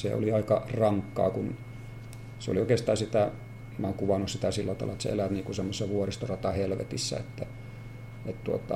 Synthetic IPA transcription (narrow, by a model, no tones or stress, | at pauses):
sḛo̰liɑikɑrɑŋkːɑ̰ːkun | seo̰lioˑikeˑst̪ˑɑːnsit̪æ | mæoŋkuʋɑnːussit̪æsilːæt̪ɑlɑet̪sḛḛlæt̪niːkusemːosesʋuorist̪orɑt̪ɑhelʋḛt̪isːæ̰ḛt̪ːæ | et̪t̪uot̪ɑ